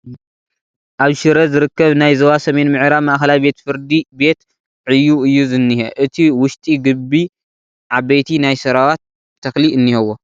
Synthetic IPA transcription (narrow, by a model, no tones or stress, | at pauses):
ʔaβʃɨɾɐzɨɾɨkːɐβnajzɐwasɐme̞nmɨʕɾamaʔxɐlajbe̞t̪fɨɾd̪ibe̞t̪ | ʕɨjːuɨjːuzɨnːihḛʔɨt̪ʰiwʊʃt̪ʼiɡɨbːi | ʕaβɐjt̪ʰinajsɐɾawat̪ʰː | ɐxliʔɨnːihɐwo